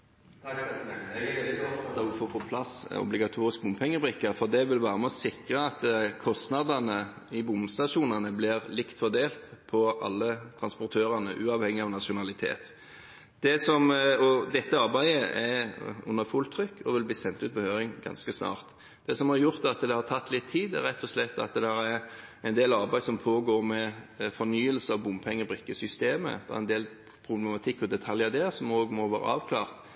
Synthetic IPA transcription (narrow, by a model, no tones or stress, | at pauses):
foːpʰɔpʰlɑsɔ̰blɪɡɑt̪ʰuːʁɪsk̚bʊmpʰɛŋːəbʁɪkːəfɔd̪ɛʋɪlʋæːʁəmɛɔsɪkʁəɑt̪kʰɔst̪nɑd̪ɑnə | ɪbʊmst̪ɑʂuːnɑnəblɪʁlɪkt̪fɔʁd̪eːlt̪pʰɔʔɑ̰lːət̪ʰʁɑnspɔɾt̪ʰøːʁɑnə̰ʔʉːɑʋhɛŋːɪɑʋnɑʃʊnɑlɪt̪ʰḛːt̪ | d̪̥ɛsɔmɔd̪ɛt̪ːəɑɾbæɪəʔɛʊ̰nːəfʊlt̪ʰɾʏkːɔʋɪlbliːsɛnt̪ʉːt̪̚bəhøːɾɪŋɡɑ̰nskəsnɑ̰ːʁt̪ | d̪ɛsɔmhɑɾjʊʁt̪ɑt̪d̪ɛhɑɾt̪ʰɑt̪ːlɪt̪ʰːiːd̪æ̰ɾɛt̪ʰːɔslɛt̪ːɑ̰t̪̚d̪æɾæɾɛnd̪eːlɑɾbæɪsɔmpʰoːɡoːʁmɛfɔɾnyːəlsəɑʋbʊmpʰɛŋːəbɾʏkːəsʏst̪eːmə̰d̪̥ɛ̰æ̰ɛnd̪eːl | pʰɾʊblɛmɑt̪ʰɪkːɔd̪ɛt̪ʰɑljɑd̪ɛːsɔmoːɡmɔʋæːɾə̰ʔɑːʋkʰlɑːʁt̪